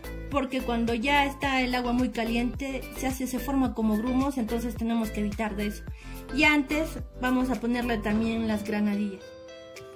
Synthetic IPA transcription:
po̞ɾke̞kwand̪o̞ʝaest̪ae̞laɣwamujkalje̞nt̪e̞seasese̞fo̞ɾmako̞mo̞ɣɾumo̞se̞nt̪o̞nse̞st̪e̞ne̞mo̞ske̞eβit̪aɾðeso̥iant̪e̞zbamo̞s̬apo̞ne̞ɾle̞t̪amje̞nlazɣɾanaðiʝas

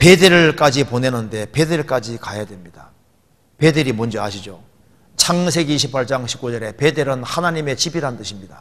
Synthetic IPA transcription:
pe̞de̞ɾɯɭk͈ad͡ʑipone̞nɯnde̞pe̞de̞ɭk͈ad͡ʑikajadwe̞mɲid̥a | pe̞deɾimʌnd͡ʑʌaɕʰid͡ʑo | t͡ɕʰaŋsʰe̞ɡiɕʰipʰaɭt͡ɕ͈aŋɕʰi̥p̚k͈ud͡ʑʌɾe̞pe̞de̞ɾɯnhanaɲime̞t͡ɕibiɾant͈ɯɕʰimɲida

